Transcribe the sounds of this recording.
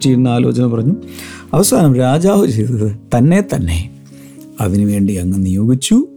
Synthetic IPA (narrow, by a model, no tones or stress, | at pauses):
t͡ɕːijnːɐaːlo̞̰ːt͡ɕɐnɐmpɐrɐɲːuɐʋɐsaːnɐmɾaːd͡ʑaːʋɨt͡ɕejt̪ɐðɨt̪ɐnːe̞t̪ɐnːe̞̰ | ɐʋinuʋe̞ːɳɖiɐŋːɐnijo̞ːɡit͡ɕːu